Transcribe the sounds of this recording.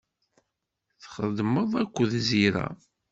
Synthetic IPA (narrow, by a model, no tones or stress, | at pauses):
θχəðməðˤækʷːəðziɾæ̰